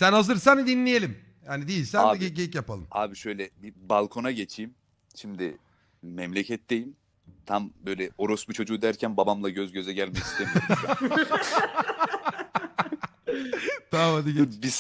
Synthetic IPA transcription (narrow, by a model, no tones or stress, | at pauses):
sænhazɯɾsænid̪inlʲijelʲim | jaːnid̪ejilʲsænaːiɟeɟejicjapalˠɯ̰maːbiʃøjlʲɛbibalˠkʰo̞naɟet͡ʃʰiːm | ʃimd̪ɪ | mɛmlʲecʰɛt̪̚d̪e̞jim | t̪ʰambø̞jlʲɛo̞ɾosbit͡ʃʰo̞d͡ʒuːd̪æɾcʰænbabamlˠaɟøzɟø̞zɛɟælʲmɛci̥st̪ʰemiojɾa | d̪̥aːvad̪ɯɡbis